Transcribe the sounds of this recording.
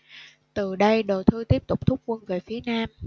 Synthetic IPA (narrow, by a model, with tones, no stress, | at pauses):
t̪ɨ˨˩ɗə˧jɗo˨˩t̪ʰɨ˧t̪i˦˥əp̚t̪ʊ˨˩k͡p̚t̪ʰʊ˦˥k͡p̚kwə˧nve˨˩fi˨˦ənaː˧m